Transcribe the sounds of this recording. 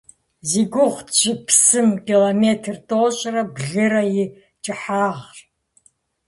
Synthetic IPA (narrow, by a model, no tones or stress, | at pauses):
ziɡʷʊʁʷʒɪpʰsɨmkʲʼiloːmeːtʰrtʼoːɕʼrɐbɮɨɾɐjɪ | t͡ʃʼɪħaːʁr